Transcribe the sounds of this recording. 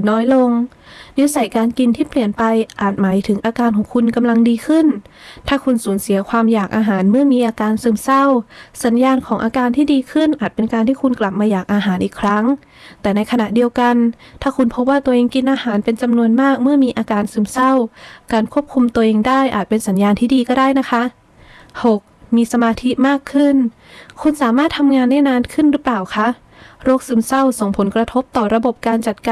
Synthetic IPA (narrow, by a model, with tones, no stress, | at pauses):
nɔː˧˩jlo˧ŋ | ji˧˥sa˨˩˦jkaː˧nki˧nt̪ʰiː˥˩pli˨˩ənpa˧jʔaː˨˩t̪̚maː˨˦jt̪ʰɯ˩˦ŋʔaː˧kaː˧nkʰɔː˩˦ŋkʰu˧nka˧mla˧ŋdiː˧kʰɯ˧˥˩nt̪ʰaː˧˩kʰu˧nsuː˩˦nsi˨˩˦ɐkʰwaː˧mjaː˨˩k̚ʔaː˧ɦaː˩˦nmɯ˥˩ɐmiː˧ʔaː˧kaː˧nsɯː˧˩msa˧˥˩wsa˨˦njaː˧nkʰɔː˩˦ŋʔaː˧kaː˧nt̪ʰiː˥˩diː˧kʰɯ˧˥˩nʔaː˨˩t̪̚pe˧nkaː˧nt̪ʰiː˥˩kʰu˧nkla˨˩p̚maː˧jaː˨˩k̚ʔaː˧ɦaː˨˩˦nʔiː˨˩kʰɾa˦˥ŋ | t̪ɛː˨˩na˧jkʰa˧na˨˧˩ʔdi˧əwka˧n | t̪ʰaː˥˩kʰu˧npʰo˦˥p̬̚waː˥˩t̪u˧əʔeː˧ŋki˧nʔaː˧haː˩˦npe˧nt͡ɕa˧mnu˧ənmaː˥˩k̚mɯ˥˩ɐmiː˧ʔaː˧kaː˧nsɯː˧msa˥˩wkaː˧nkʰu˥˩əp̚kʰu˧mt̪u˧əʔeː˧ŋdaː˥˩jʔaː˨˩t̪̚pe˧nsa˩˦njaː˧nt̪ʰiː˥˩diː˧kɔː˥˩daː˥˩jna˦˥kʰa˦˥ʔ | ho˨˩k̚miː˧sa˧maː˧t̪ʰi˦˥maː˥˩kʰːɯ˥˩n | kʰu˧nsaː˩˦maː˥˩t̪ʰːa˧mŋaː˧nːɛː˥˩naː˧nkʰɯ˥˩nɾɯ˦˥plaː˨˩wkʰa˦˥ʔ | ɾoː˥˩k̚sɯː˧˩msa˥˩wso˨˩ŋpʰo˩˦nkɾa˧t̪ʰo˦˥p̚t̪ɔː˨˩ɾa˧bo˨˩p̚kaː˧nt͡ɕa˨˩t̪̚ka˧